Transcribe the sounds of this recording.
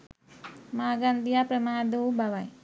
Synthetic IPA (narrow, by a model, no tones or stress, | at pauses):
maːɡand̪ijapɾɐmaːd̪owbaʋaj